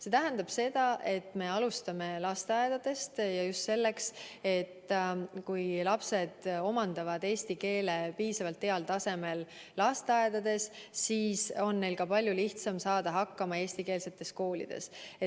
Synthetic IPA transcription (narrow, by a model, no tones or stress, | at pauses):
se̞t̪æɦænd̪ɑb̥se̞d̪̥ɑʔe̞t̪ːˑme̞ɑlust̪ɑme̞lɑst̪eɑed̪̥ɑd̪̥e̞st̪jɑjust̪se̞lːe̞kse̞t̪ːkujlɑpse̞d̪̥o̞mɑnd̪̥ɑvɑd̪e̞ːsʲt̪ike̞ːle̞piːsɑvɑlt̪ːeɑlt̪ɑse̞me̞lːɑst̪eɑed̪̥ɑd̪̥e̞s | siːso̞nːe̞jlkɑpɑlʲjuliht̪sɑmsɑːd̪ɑɦɑkːɑmɑe̞ːsʲt̪ike̞ːlse̞t̪ːˑe̞sko̞ːlḭd̪̥e̞̰se